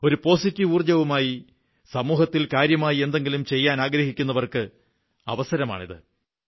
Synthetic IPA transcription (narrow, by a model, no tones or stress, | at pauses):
o̞ɾupo̞ːsitːiʋuːrd͡ʑɐʋumaːji | sɐmuːɦɐt̪ːilkaːɾjɐmaːjie̞nd̪e̞ŋɡilumt͡ɕe̞jːaːnaːɡɾɐhikʲːun̪ːɐʋɐrkɨ | ɐ̰ʋɐsɐɾɐma̰ːɳiðɨ̰